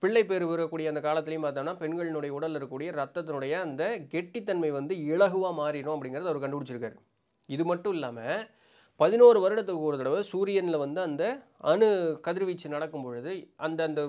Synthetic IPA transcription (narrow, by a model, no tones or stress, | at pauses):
pɪɭːɐɪpːeːɾɯʋɛɾɐkːuːɽɪjɐnd̪ɐkaːlɐt̪ːɪlɐjʊ̃mpaːɾt̪aːnːaːpɛɳɡɐɭɪnɯɽɐjɐʊɽɐlɪɾɯkːuːɽɪjɐɾɐt̪ːɐt̪ːɪnɯɽɐjɐːnd̪ɐɡɛʈːit̪ːɐnmɐɪʋɐnd̪ɯɪɭɐɣɯʋaːmaːɾɪɳʊ̃ɐpːɐɽɪŋɡɪɾɐðɯɐʋɐɾɯkɐɳɖɯpɐɽɪt͡ʃːɯɾɯkːa̰ːɾ | ɪðɯmɐʈːʊ̃ɪlːaːmɐ | pɐðɪnoːɾɯʋɐɾɯɽɐt̪ːɯkːɯkːuːɾɐðɐɽɐʋɯsuːɾɪjɐnɪlɐʋɐnd̪ɯɐnd̪ɐɐnɯkɐðɪɾʋiːt͡ʃːɯnɐɽɐkːɯmpɔɻɯðɯʔɐnd̪ɐnd̪ɐ